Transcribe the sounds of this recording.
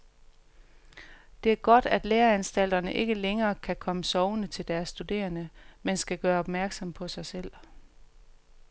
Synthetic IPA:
d̥e̝æɐɡ̥ɒ̽d̥æd̥leːɐænsd̥æl̰d̥ɐnəʔe̝ɡ̥əleŋɐːkʰækʰɒ̽məsɒʊnət͡sʰe̝ld̥æɐsːd̥ud̥e̝̰ːɐnəmensɡ̥æɡ̥ɶːɐɒ̽b̥mæɐɡ̥sɒ̽mpʰɒ̽sɑ̈ɪsel̰

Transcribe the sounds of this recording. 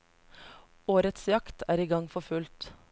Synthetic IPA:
oːɾət̪sjɑkt̪ʰæːɾiːɡɑŋfɔfʉlt̪

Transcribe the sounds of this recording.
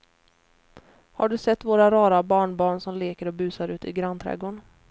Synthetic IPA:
haɖɵsɛt̪ːvoːɾaɾɑːɾabɑːɳbɑːɳsɔmleːkəɾɔbʉ̟ːsaɾʉ̟ːt̪ɪ̰ɡɾant̪ʰɾɛ̰ɡoɳ

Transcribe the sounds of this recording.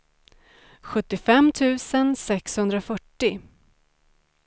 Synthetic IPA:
ɧɵt̪ːɪfɛmːt̪ʰʉ̟ːsənsɛkshɵnd̪ɾafœʈːɪ

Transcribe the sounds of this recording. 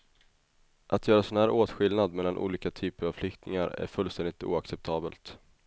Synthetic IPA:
ʔat̪ʰjœːɾasɔnhæːɾʔoːt̪ɧɪlnad̪mɛlːanʔṵːliːkat̪ʰyːpəɾavflʏkt̪nɪŋaɾæ̰ɾfɵlst̪ɛnd̪ɪkt̪ṵːaksɛp̚t̪ʰɑːbəlt̪

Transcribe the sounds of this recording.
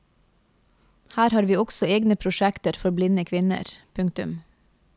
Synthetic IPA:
hæːɾhɑːɾʋiːɔksɔeːɡnəpʰɾʊʃækt̪əɾfɔɾblɪnəkʰʋɪnə̰ɾpʰʉŋk̚t̪ʉm

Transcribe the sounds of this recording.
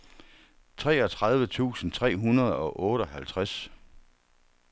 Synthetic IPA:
t͡sʰʁɛːɒ̽t͡sʰʁɑ̈ð̞ˠʋət͡sʰṵːsn̩t͡sʰʁɛ̰ːɦunɐð̞ˠɒ̽ʔɔ̽ːɾ̥əɒ̽ɦælt͡sʰʁas

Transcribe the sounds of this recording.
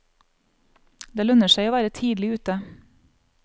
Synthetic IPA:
d̪eːlœnəʃæɪoːʋæːɾət̪ʰiːd̪lɪʉːt̪ə

